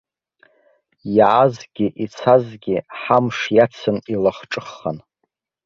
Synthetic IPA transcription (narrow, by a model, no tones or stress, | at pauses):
jaʕazɡʲiʔit͡sʰazɡʲiħamʂjat͡sʰɨnilaχʈ͡ʂʼɨχːa̰n